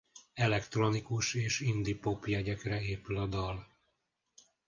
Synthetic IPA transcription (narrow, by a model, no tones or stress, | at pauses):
ɛlɛkt̪ro̞nikuʃeːʃind̪ipo̞pjɛɟɛkrɛeːpylɒd̪ɒl